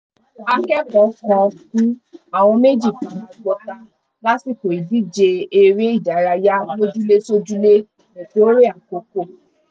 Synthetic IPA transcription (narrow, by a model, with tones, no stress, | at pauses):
a˧kɛ˦kɔ̃˨˦kã˧kũ˦a˨w̃ɔ̃˧me˦d͡ʒi˦˨kĩ˨ã˨kɔ˧˦ta˨ | la˦si˦˨ko˨i˨di˦˨d͡ʒe˧e˧ɾe˦i˦˨d͡ʒa˨ɾa˧ja˦mo˦d͡ʒu˦le˦so˦d͡ʒu˦le˦ | o˨ko˨˦ɾe˦˨a˨ko˨˦ko˦˨